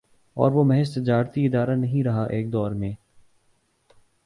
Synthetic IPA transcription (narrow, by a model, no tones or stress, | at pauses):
ɔ̰ːɾʋomɛɦɛst̪ɪd͡ʒaːɾt̪iɪd̪aːɾanɐɦĩɾɐɦaʔeːk̚d̪ɔːɾmẽː